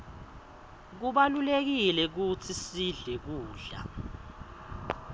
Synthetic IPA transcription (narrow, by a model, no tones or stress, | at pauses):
k̬uɓalulek̬ilɛk̬ut͡sʰisiɮɛk̬uːɮa̰